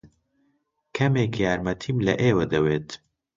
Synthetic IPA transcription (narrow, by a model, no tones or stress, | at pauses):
kʰɐmeːkjaːɾmɐt̪ʰiːmlɐ̰ʔeːwɐd̪ɐweːt̪